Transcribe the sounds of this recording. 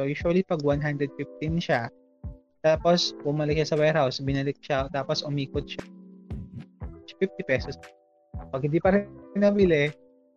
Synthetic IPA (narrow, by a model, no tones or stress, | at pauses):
ojuːʃʊɐlipɐɡwanɦand̪ɾɛd̪̚fɪft̪ɪnʃa | t̪aːposbʊmɐlɪk̚ʃasɐwajɾhawsbɪnɐlɪk̚ʃat̪aːposʔʊmiːkʊt̪̚ʃ | fɪft̪ipɛsɔs | pɐɡ̚hɪnd̪iːpɐɾnɐwilɛ